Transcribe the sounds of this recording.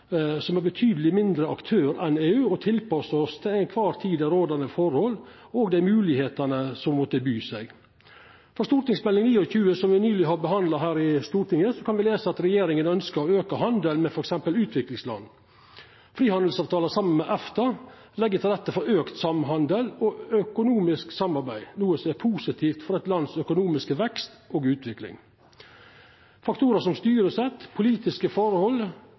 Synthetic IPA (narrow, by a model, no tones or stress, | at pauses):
sɔmæɾbət̪ʰyːd̪əlɪmɪnd̪ɾəɑkt̪ʰøːɾɛneːʉːɔt̪ʰɪlpɑsəɔst̪ʰɪæɪnkʰʋɑːɾt̪ʰiːd̪əɾoːd̪ɑnəfɔɾhɔl | oːɡd̪æɪmʉːlɪheːt̪ɑnəsɔmmɔt̪əbyːsæɡ | fɔɾʂt̪uːɾʈ̪ɪŋsmɛlːɪŋniːɔçʉːəsɔmʋɪnyːlɪɦɑɾbəɦɑnd̪lɑɦæːɾɪst̪uːɾʈ̪ɪŋəsɔkʰɑnʋɪleːsəɑt̪ɾɛjeːɾɪŋənœnskəɾɔøːkəɦɑnd̪əlmɛfɔɾɛksɛmpəlʉːt̪ʰʋɪklɪŋslɑ̰nː | fɾiːhɑnd̪əl̩sɑːʋt̪ʰɑːləsɑmːənmɛʔɛft̪ɑ | lɛɡːət̪ʰɪlɛt̪ːəfɔɾøːkt̪sɑmɦɑnd̪əlɔœkʊnuːmɪsksɑmːɑɾbæɪnuːəsɔmɛpʰuːsɪt̪ʰiːft̪fɔɾɛt̪lɑnːsœkʊnuːmɪskəʋɛkst̪oːɡʉːt̪ʰʋɪklɪ̰ŋ | fɑkt̪ʰuːɾəʂɔmst̪yːɾəsɛt̪ːpʰʊliːt̪ɪskəfɔɾhɔlː